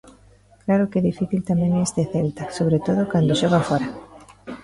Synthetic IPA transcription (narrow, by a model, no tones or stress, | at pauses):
klaɾʊkɛðifiθilt̪amɛ̃ŋest̪eθɛlt̪asoβɾet̪oð̞okand̪oʃɔɣ̞afɔɾa